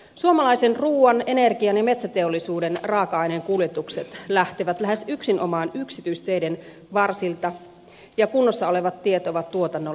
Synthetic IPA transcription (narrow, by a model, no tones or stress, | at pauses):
suomɑlɑijsenruːɑne̞ne̞rɡiɑnjɑme̞t̪sæt̪e̞olːisuːdenrɑːkɑɑjneŋkuljet̪ukset̪læht̪eʋæt̪læɦesyksinʔomɑːnyksit̪yist̪ejden | ʋɑrsilt̪ɑ | jɑkunːosːɑole̞ʋɑt̪ːiet̪oʋɑt̪t̪uot̪ɑnːo